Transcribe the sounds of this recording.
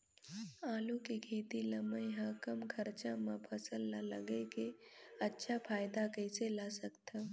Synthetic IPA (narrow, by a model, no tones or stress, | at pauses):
aːlukekʰiːt̪iləməjɦãkɐmkʰəɾt͡ʃãmãpʰəsəlːalə̰ɡekeɐtːʃʰapʰaːjd̪akəɪselasəkt̪ʰa